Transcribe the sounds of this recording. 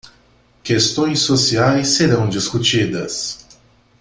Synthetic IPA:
kest̪õj̃sːosiajsːeɾɐ̃w̃d͡ʒiskut͡ʃid̪ɐ̰s

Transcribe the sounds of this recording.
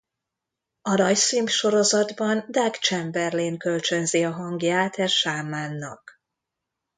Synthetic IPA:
ɒnɒjsimpʃo̞ɾo̞zɒd̪bɒnd̪aɡt͡ʃɛmbɛrleːŋkølt͡ʃønziɒɦɒŋɡjaːt̪ʰɛrʃaːmaːnːɒk

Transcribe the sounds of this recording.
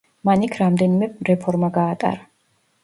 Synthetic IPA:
manikʰɾamd̪ɛnimɛɾɛpʰɔɾmaɡaːt̪ʼa̰ɾa

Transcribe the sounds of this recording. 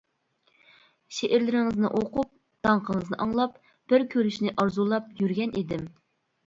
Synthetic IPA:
ʃeʔɪɾlɪɾɪŋɨznɨʔoqup̚ | d̪̥ɑɴqʰəŋəznɨ̰ʔɑŋlˠɑp | b̥ɪɾkʲʰøɾyʃnɪʔɑɾzulˠɑp̚jyɾɡʲɛnʔid̪ɪm

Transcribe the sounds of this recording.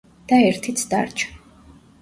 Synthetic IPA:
d̪̥aɛɾt̪ʰit̪sʰd̪a̰ɾt͡ʃʰ

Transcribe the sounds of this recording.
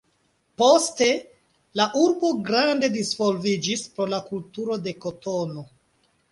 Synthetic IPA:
po̞ste̞ | laʔuɾbo̞ɡɾande̞disvo̞lvid͡ʒispɾo̞lakultuɾo̞de̞ko̞to̞no̞

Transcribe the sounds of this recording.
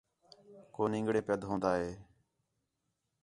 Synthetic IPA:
koːnɪ̃ŋɡɽeːpəd̪ɦõːnd̪aːɦeː

